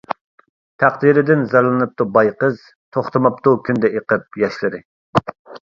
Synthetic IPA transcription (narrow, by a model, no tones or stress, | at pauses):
t̪ʰæqd̪iɾɪd̪ɪnzɑɾlˠɨnɨp̚t̪ubɑjqəz | t̪ʰoχt̪ɨmɑp̚t̪ukʲʰynd̪ɛeqɨp̚jɑʃlɨɾɨ